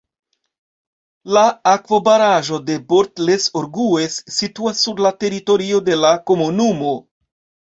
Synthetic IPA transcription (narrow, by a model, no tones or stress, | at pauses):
laːkvo̞baɾaʒo̞de̞boɾtle̞soɾɡuesːituasːuɾlate̞ɾito̞ɾio̞de̞lako̞munumo̞